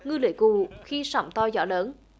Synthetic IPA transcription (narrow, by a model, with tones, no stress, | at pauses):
ŋɨ˧lɨ̰˧˨˦ku˧˨˩xi˧sa̰˧˩wŋ͡mt̪ɔ˧zɔ̰˧˥ləː˨˦n